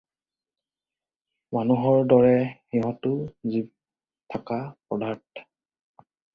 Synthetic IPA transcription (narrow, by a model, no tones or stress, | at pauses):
manuɦɔɹdɔɹɛxiɦɔtʊzib̚ | tʰakapɔdaɹtʰ